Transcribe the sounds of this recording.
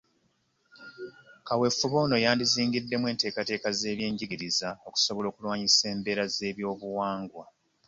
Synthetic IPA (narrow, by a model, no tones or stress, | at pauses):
kawe̞fːuβo̞ːno̞jaːndiziːŋɡidːe̞mwe̞ːnte̞ːkate̞ːkaze̞ːβje̞ːɲɟiɡiɾizao̞ku̥so̞βo̞lo̞ːkulwaːɲise̞ːmbe̞ːɾaze̞ːβjo̞ːβuwaːŋɡwa